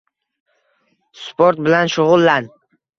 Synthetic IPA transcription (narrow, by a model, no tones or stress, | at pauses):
spoɾt̪̚bɪlanʃʊʁʊlˠːan